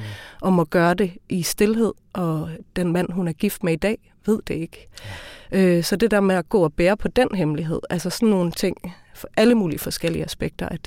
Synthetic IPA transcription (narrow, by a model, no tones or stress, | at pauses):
ʔɒ̽mɒ̽ɡ̥ɶːɐd̥e̝ʔisd̥e̝lɦe̝ð̞̰ˠʔɒ̽d̥enmæn̰ɦunæɐɡ̥ifd̥meid̥ɛ̰ː | ʋe̝ð̞̰ˠd̥e̝e̝ɡ̥ə | øsɒ̽d̥e̝d̥eɐmeæɡ̥ɔ̰ːɒ̽b̥eːɐpʰɒ̽d̥en̰ɦemliɦe̝ð̞̰ˠælsɐsɒ̽nːo̝ːn̩t͡sʰe̝ŋ̰ | ʔæləmuːliəfɒ̽sɡ̥el̰iəæsb̥eɡ̥̚d̥ɐʔæd̥